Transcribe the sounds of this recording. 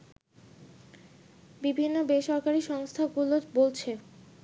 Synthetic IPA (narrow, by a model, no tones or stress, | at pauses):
bibʱinːobeʃɔɾkaɾiʃɔŋst̪ʰaɡulobolt͡ɕʰe